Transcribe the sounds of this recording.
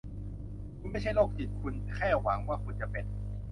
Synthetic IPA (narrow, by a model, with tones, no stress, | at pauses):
kʰu˧nma˥˩jt͡ɕʰa˥˩loː˥˩k̚t͡ɕi˨˩kʰu˧nkʰɛː˥˩wa˩˦ŋwaː˥˩kʰu˧nt͡ɕa˨˩pe˨˩n̚